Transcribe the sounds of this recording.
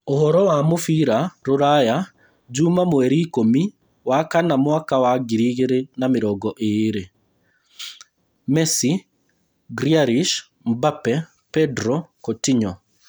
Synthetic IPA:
ohɔɾɔwamofiɾaɾoɾaja | d͡ʒumamwɛɾiːkomi | wakanamwakawaɡiɾiɣeɾenameɾɔɡɔʔeɾe | mɛsi | ɡɾiaɾiʃ | mbapɛ | pɛdɾɔkotiɲɔ

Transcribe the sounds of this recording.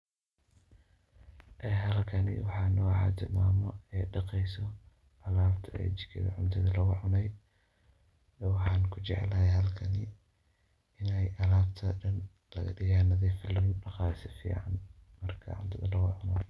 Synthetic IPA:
ʔɛːɦɐlkʰɐnɪ̰wɑħɑːnɔːʕɑ̰ːt̪ʰɪrmaːmɔɛːɖɑqɛjsɔ | ʔɐlaːbt̪ʰɐɛ̰ːt͡ʃɪ̥kʰɪ̰ðɐ̰ʕʊnt̪ʰɐðɐlɐɣʊʕʊnɛj | wɑħɑːnkʰʊt͡ʃɛʕɛ̰lɐɦɛjɦɐlkʰɐnɪ | ɪnɛjʔɐlaːbt̪ʰɐɖɐn | lɐ̰ɣɐ̰ɖɪjaːnɐðɛjfɪlːɐŋɖɑqɑːsɪ̥fḭːʕa̰nmɐrkʰɐ̰ʕʊ̰nt̪ʰɐðɐlɐɣʊʕʊnɔ

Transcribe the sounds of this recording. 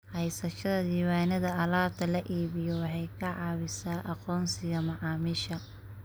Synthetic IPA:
hɛjsɐʃɐðɐd̪iːwaːnɐðɐɐlaːb̚t̪ʰɐlɐʔiːβɪjɔwɑħɑjkʰɐʕɑːβɪsaːʔɑqɔːnsɪɣɐmɐʕɑːmɪʃɐ

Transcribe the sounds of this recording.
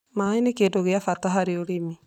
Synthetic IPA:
maenekedoɣeafataɦaɾeoɾemi

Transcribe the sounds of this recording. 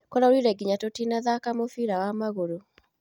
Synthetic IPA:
kɔɾaoɾiɾɛɡiɲatotinaðakamofiːɾawamaɣoɾo

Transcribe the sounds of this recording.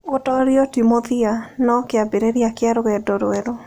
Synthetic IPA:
otɔɾɪɔtimoðianɔkɪabeɾeɾjakɪaɾoɣɛdɔɾɛɾo

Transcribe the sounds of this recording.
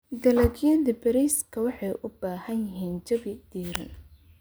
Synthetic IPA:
d̪ɐlɐɡjɐðɐbɐɾiskʰɐwɑħɑjʔʊbaːhɐnjɪɦiːnt͡ʃɐbɪd̪̥iːɾɐ̰n

